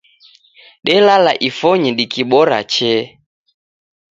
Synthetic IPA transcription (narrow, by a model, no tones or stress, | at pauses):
ɗɛlalaʔifɔɲɛɗikiɓɔɾa̰t͡ʃɛ